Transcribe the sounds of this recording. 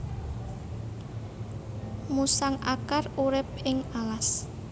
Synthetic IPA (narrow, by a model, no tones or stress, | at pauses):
musaŋʔakaruɾɪp̚ɪŋalas